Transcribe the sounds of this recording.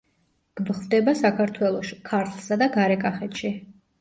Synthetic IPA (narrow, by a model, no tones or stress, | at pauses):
ɡ̥bχvd̪ɛbasakʰaɾt̪ʰwɛlˠɔʃi̥kʰaɾt̪ʰlˠsad̪aɡaɾɛkʼaχɛt̪ʃi